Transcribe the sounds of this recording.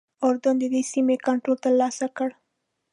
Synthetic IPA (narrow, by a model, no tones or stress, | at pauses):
oɾd̪ʊnd̪əd̪esimekaɳʈɾolt̪aɾlɑsakəɽ